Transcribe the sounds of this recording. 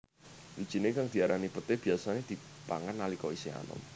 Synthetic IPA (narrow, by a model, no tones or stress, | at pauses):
lid̥ʒ̥i̤nekaŋd̪̥i̤aɾʔanipət̪eb̥i̤asaned̪̥ipa̰ŋanːalikɔisea̰nɔ̰m